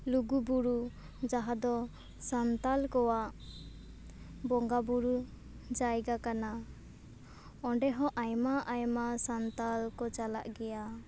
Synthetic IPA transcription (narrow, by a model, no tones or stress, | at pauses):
luɡubuɾu | d͡ʒaɦad̪ɔ | sant̪alkɔwaʔ | bɔŋɡabuɾu | d͡ʒajɡakana | ɔɳɖɛɦɔ̃ʔajmaʔajmasant̪alkɔt͡ʃala̰ʔɡɛja